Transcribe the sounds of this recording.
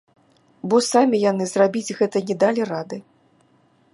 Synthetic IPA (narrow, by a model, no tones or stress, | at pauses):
bɔsamʲijanɨzrabʲid͡zʲɣɛt̪ɐnʲɛd̪alʲirad̪ɨ